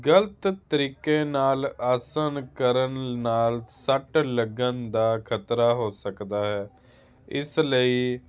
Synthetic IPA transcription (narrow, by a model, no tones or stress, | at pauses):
ɡələt̪t̪əɾiːkeːnaːlaːsənkəɾənnaːlsəʈləɡənd̪aːkʰət̪ɾaːɦoːsəkd̪aːɦɛː | ɪsləiː